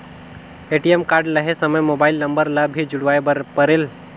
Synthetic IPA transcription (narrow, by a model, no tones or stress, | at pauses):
eʈijemkaːɾɖləɦesəməjmobaɪlnəmbəɾlabʱid͡ʒuɽʋajpəɾel